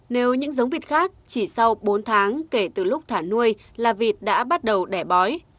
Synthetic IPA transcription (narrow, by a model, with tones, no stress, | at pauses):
ne˨˦wɲɨ̰˧˥ŋzə˨˦wŋ͡mvi˨˩t̚xaː˦˥k̚t͡ɕi˧˩sa˧wɓo˨˦nt̪ʰaː˨˦ŋke˧˩t̪ɨ˨˩lʊ˦˥k͡p̚t̪ʰaː˧˩nu˧əj | laː˨˩vi˨˩ət̚ɗa̰ː˧˥ɓa˦˥t̚ɗə˨˩wɗɛ˧˩ɓɔ˨˦j